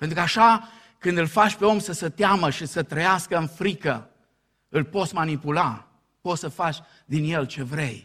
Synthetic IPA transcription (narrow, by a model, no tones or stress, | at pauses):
pent̪ɾukaʃa | kɨnd̪ɨlfat͡ʃpe̞o̞msəsət̪eaməʃisət̪ɾəjaskəɨnfɾikə | ɨlpo̞t̪sʲmanipula | po̞t̪səfat͡ʃʲ | d̪inje̞lt͡ʃe̞vɾe̞j